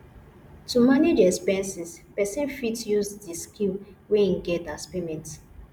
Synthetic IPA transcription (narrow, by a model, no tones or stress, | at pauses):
tumaned͡ʒɛspɛ̃nsispɛsɛ̃nfitjuzdiskilweinɡɛtaspemɛ̃nt